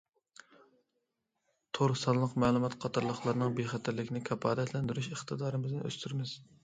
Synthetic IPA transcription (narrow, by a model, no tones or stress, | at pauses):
t̪ʰoɾsɑnˠlˠəqmæːlˠumɑt̪qʰɑt̪ʰɑɾlˠəχlˠɑɾnɨŋbeχæt̪ʰæɾlɪkʲnɪkʲʰɑpʰɑːd̪ɛt̪ʰlɛnd̪yɾyʃəχt̪ʰɨd̪ɑːɾɨmɪznɪʔø̰st̪ʰyɾmɪz̥